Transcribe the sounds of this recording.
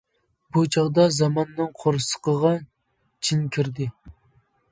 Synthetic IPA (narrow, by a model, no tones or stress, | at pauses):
b̥ut͡ʃʰɑʁd̪ɑzɑmɑnːɨŋqʰoɾsə̥qəʁɑ | t͡ʃʰinkʲʰiɾd̪ɪ